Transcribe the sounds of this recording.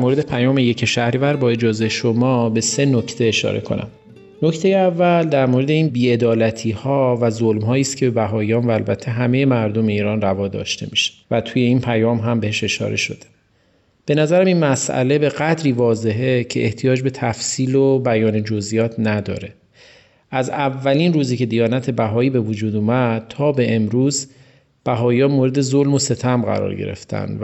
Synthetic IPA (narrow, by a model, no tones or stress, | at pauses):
moɾe̞d̪e̞pʰæjɒːmeje̞cʰeʃæhɾivæɾbɒːe̞d͡ʒɒːze̞jeʃomɒːbe̞se̞nocʰt̪ʰe̞ːʃɒ̰ːɾe̞̰kʰo̞̰næ̰m | no̞ct̪ʰe̞jeævːæld̪æɾmoɾe̞d̪e̞iːnbiːe̞d̪ɒːlæt̪ʰiːhɒːvæzolmɦɒːiːst̪cʰebe̞bæɦɒːijɒːnvæːlbæt̪ʰːe̞ɦæme̞jemæɾd̪o̞me̞iːɾɒːnrævɒːd̪ɒ̰ːʃt̪e̞̰miʃe̥væt̪ʰuːje̞iːnpʰæjɒːmɦæmbe̞heʃe̞ʃɒ̰ːɾe̞ʃo̞̰d̪e̥ | b̥e̞næzæɾæminmæsʔæ̰le̞be̞ɣæd̪ɾiːvɒːze̞ɦecʰeʔeht̪ʰijɒːd͡ʒbe̞t̪ʰæfsiːlobæjɒːnid͡ʒo̞zʔijɒːt̪ʰnæd̪ɒ̰ːɾe̞ | ʔæzævːæliːnruːziːcʰe̞d̪ijɒːnæt̪ʰe̞bæɦɒːiːbe̞vod͡ʒuːd̪uːmæd̪̥̚t̪ʰɒːbe̞ʔemɾuːz | b̥æɦɒːjɒːmoːɾed̪e̞zolmo̞se̞t̪ʰæmɢæ̰ɾɒ̰ːɾɟe̞̰ɾḛft̪ʰæ̰n